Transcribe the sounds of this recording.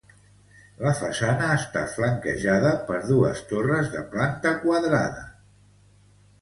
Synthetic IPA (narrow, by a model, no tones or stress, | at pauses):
ləfəsanəːst̪a̰t̪fləŋkə̰ʒaðəpəɾðuə̰st̪orəzðə̰plant̪əkwaðɾa̰ðə̰